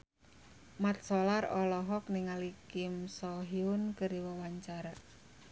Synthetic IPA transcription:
mat̪̚solarɔlɔɦɔk̚niŋalikɪmsɔɦiʊnkəɾiwəwaɲt͡ʃaɾa

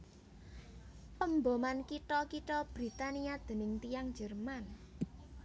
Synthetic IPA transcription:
pəmbomankiʈɔkiʈɔb̥ɾi̤t̪aniad̪̥ə̤nɪŋt̪ijaŋ̥d͡ʒə̤rman

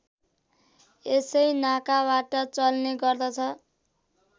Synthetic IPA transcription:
esʌjnakabaʈʌt͡sʌlneɡʌrd̪ʌt͡sʰʌ

